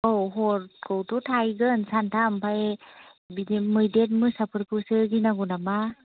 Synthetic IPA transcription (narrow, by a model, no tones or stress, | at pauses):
ɔwɦɔɾkʰɯwtʰɔtʰajɡɯnsantʰampʰaj | bidmɯjdet̚mɯsapʰɯɾpʰusɯɡinaɡunama